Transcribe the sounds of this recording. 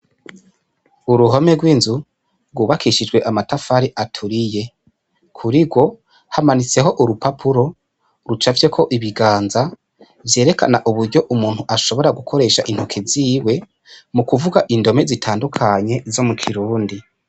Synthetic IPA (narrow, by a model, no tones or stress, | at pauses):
uɾuɦome̞ɡwiːnzu | ɾɡwuːβakʰiʃid͡ʒɡwe̞ʔamatafaɾiʔatʰuɾije̞ | kʰuɾiɡwo̞ | hamanit͡se̞ɦo̞ʔuɾupapʰuɾo̞ | ɾut͡ʃavje̞kʰo̞ʔiβiɡaːnza | vje̞ːɾe̞ka̰naʔuβuɾɟo̞ʔumuːn̥huʔaʃo̞βo̞ɾaɡukʰo̞ɾe̞ːʃaʔin̥hokʰeziːwe̞ | mukuvuɡaʔindo̞me̞zitʰaːndukʰaɲe̞zo̞mukʰiɾuːndi